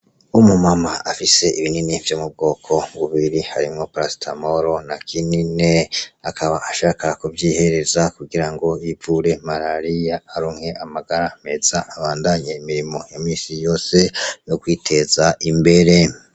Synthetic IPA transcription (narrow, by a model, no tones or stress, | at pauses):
umumamaʔafise̞iβininivjoːmub̚ɡo̞ːkʰo̞βuβiiɾiha̰ɾimŋo̞pɾastʰamo̞ɾo̞nakʰinine̞akʰaβaʔaʃaːkakuvjiːhe̞ɾe̞zakuɡiɾaŋɡo̞jivuɾe̞maɾaɾijaːɾuːŋhe̞ʔamaɡaɾam̥e̞zaːβaːndaɲeimiɾimo̞jamiːsijo̞ːse̞jo̞kwiːtʰe̞zaʔimbe̞ɾe̞